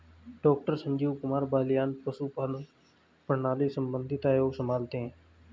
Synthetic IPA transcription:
ɖɔːk̚ʈəɾsə̃ɲd͡ʒiːʋkʊmaːɾbaːlɪjaːnpəsuːpaːlə | pəɳaːliːsəmbənd̪ʱɪt̪aːjoːsəmaːlt̪ẽ

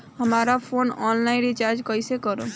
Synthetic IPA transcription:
həmaːɾapʰoːnɔːnlaːɪ̃nɾɪt͡ʃaːɾd͡ʒkəisekəɾo

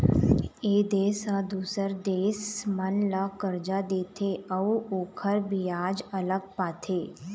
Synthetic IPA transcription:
eːd̪eːsad̪uːsəɾd̪eːsmənlaːkəɾd͡ʒad̪eːt̪ʰeəuoːkʰəɾbijaːd͡ʒələɡ̚paːt̪ʰeː

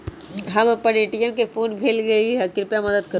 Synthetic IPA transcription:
ɦɐmpɐneːʈijãkefʰoːnbʱeːlɡɐeiɦɐkɪɾpjamɐd̪əd̪̚kɐ

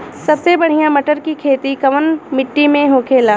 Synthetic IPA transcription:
sɐbsebɐɽ̤ijãmɐʈəɾkikʰeːt̪ikɐʋənmɪʈːimẽɦoːkʰeːlaː

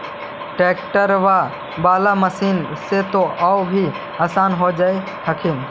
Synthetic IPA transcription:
ʈeːk̚ʈəɾʋaː | baːlaməsiːnset̪oʔaobʱi | aːsaːnɦod͡ʒaːe | həkʰɪn

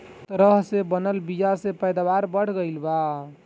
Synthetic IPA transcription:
t̪ɾəɦsebənəlbid͡ʒasepəjd̪abaɾbəɽ̤ɡəɪlba

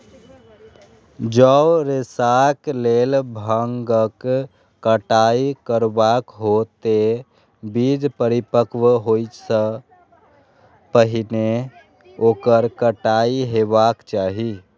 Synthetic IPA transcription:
d͡ʒəɾesaklelbʱəŋɡəkː | əʈaikəɾbakɦot̪e | bid͡ʒpəɾipəkʋɦojt͡ʃsə | pəɦine | okəɾkəʈaiɦebakt͡ʃaːɦi

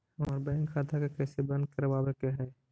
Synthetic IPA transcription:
ɔːɾbɛ̃ːŋkʰːaːt̪ʰakekɛːsebɐ̃nd̪̚kɐɾʋaːbekeɦɛː

